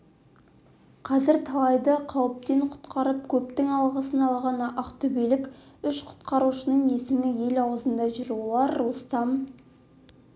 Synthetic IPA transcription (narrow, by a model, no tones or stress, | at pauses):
qʰɑzɪɾt̪ʰɑlˠɑjd̪əqʰɑwəp̚t̪e̞ɴqʰʊ̥t̪qɑɾəp̚kʲʰɵpt̪ɪŋɑlˠʁəsənɑlˠʁɑnʔɑqt̪ʰɵbejlɪkʲʏʃqʰʊ̥t̪qɑɾuʃənəɴe̞sɪmɪje̞lɑwəzənd̪ɑʒʏɾulˠɑɾːust̪ɑm